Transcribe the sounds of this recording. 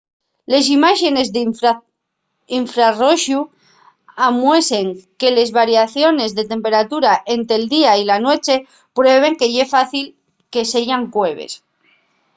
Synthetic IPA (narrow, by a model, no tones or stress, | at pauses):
le̞s̬imaʃe̞ne̞zð | iɱfɾaroʃu | amwe̞se̞ŋke̞le̞zβaɾjaθjo̞ne̞zðe̞t̪e̞mpe̞ɾat̪uɾaʔe̞nt̪ɾeld̪iailanwe̞t͡ʃe̞ | pɾoeβ̞e̞ŋke̞ʝe̞faθil | ke̞se̞ʝaŋkwe̞β̞ḛs